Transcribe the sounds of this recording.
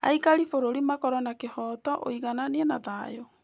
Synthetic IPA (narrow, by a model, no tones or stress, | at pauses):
a̰ikaɾifoɾoɾimakɔɾɔnakehɔːtɔʔo̰iɣananɛnaðajɔ